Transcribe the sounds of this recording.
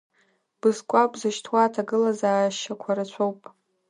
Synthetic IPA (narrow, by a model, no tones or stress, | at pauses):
b̥ɨzkʷʼapʼzɨʃtʰwatʰaɡɨlazaːʃakʷʰaɾat͡ɕʷʰowpʼ